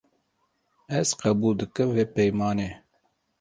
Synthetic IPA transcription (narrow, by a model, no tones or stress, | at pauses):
ɛzqɛbuːld̪ɨkɨmveːpɛjmɑːne